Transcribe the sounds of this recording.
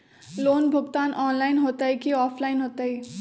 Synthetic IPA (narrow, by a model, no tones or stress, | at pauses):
loːnbʱʊɡt̪anʔɔnlajnɦot̪əjkiɔːpʰlajnɦot̪əj